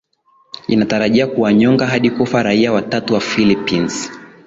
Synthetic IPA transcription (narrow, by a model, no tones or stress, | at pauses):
inataɾaʄiakuwaɲɔŋɡaɦaɗikufaɾaiawatatuwafilipins